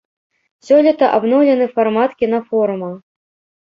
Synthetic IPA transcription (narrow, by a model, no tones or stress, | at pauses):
sʲɔlʲit̪ɐʔabnɔwlʲɛnɨfarmat̪kʲinɐfɔɾumɐ